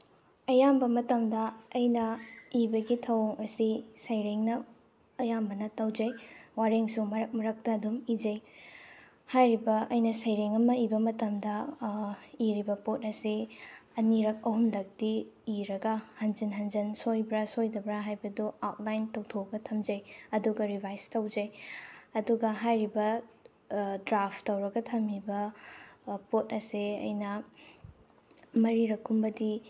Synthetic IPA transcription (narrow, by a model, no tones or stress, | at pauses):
ɐjambɐmɐtɐmdɐːjnɐibɐɡitʰɐwoŋɐsisɐjɾeŋnɐː | jambɐnɐtawd͡ʒɐjwaɾeŋsumɐɾɐk̚mɐɾɐk̚tɐːdumid͡ʒɐj | hajɾibɐʔɐjnɐsɐjɾeŋɐmɐibɐmɐtɐmdɐ | iɾibɐpot̚ɐsiɐniɾɐk̚ɐɦumlɐk̚diːɾɐɡɐhɐnd͡ʒɐnɦɐnd͡ʒɐnsojbɾɐsojdɐbɾaɦajbɐduawt̚lajntɐwtʰoɡɐtʰɐmd͡ʒɐjɐduɡɐɾibʱajstɐwd͡ʒɐjɐduɡɐɦajɾibɐ | dɾapʰtɐwɾɐɡɐtʰɐmibɐ | pot̚ɐseɐ̰jnɐ | mɐɾiɾɐkʰːumbɐdi